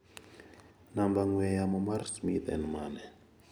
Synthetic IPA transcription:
nambaŋwɛjamɔmaɾsmit̪ɛ̰nmanɛ

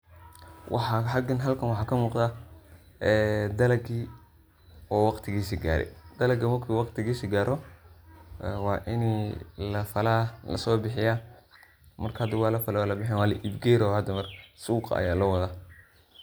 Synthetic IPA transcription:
wʔɑ̰ħɑħɑɡɐnɦɐlkʰɐnwɑħɑːkʰɐmuːqd̪a | ɛːd̪ɐlɐɡiː | ɔːwɑqt̪ʰɪɣiːsɪɡa̰ːɾɛ̰d̪̥ɐlɐɡɐmɐrkʰiːwɑqt̪ʰɪɣiːsɪɡaːɾɔ | ɛwɑːʔɪnilɐfɐlaːlɐ̰sɔːbɪħɪjaː | mɐrkʰɐd̪ɪwɑːlɐfɐlɛwaːlɐbɪħɪnwɑːlɐʔibɡɛɾɔhɐd̪ɐmɐrsuːqɐ̰jaːlɐwɐðaː

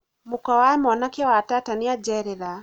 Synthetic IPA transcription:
mukawaɛmɔnakiwatataniad͡ʒɛɾɛla

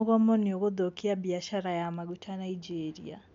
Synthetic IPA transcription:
ɣɔmɔneoɣoðokiabiaʃaɾajamaɣutʰanaid͡ʒeɾia̰

